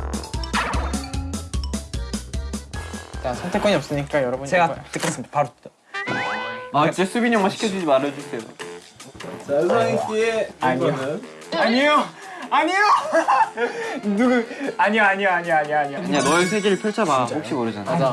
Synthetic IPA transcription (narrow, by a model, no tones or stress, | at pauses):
t͡ɕasʰʌŋtʰe̞kwʌɲiʌps͈ɯɲik͈ajʌɾʌbund͡ʑt͡ɕeɡat͈ɯk͈ʌs͈ɯmid̪apaɾo | at͡ɕes͈ʰubiɲʌŋmaɕʰi̥kʰjʌd͡ʑud͡ʑimaɾɯed͡ʑus͈ʰejo̰ | aɕ͈ieaɲijo | aɲio | aɲijo | nuɡuaɲijoaɲijoaɲioaɲioaɲioɯɲadʌes̬ʰeɡiɾɯɭpʰʌɭt͡ɕʰabahok̚ɕ͈imʌɾɯd͡ʑanao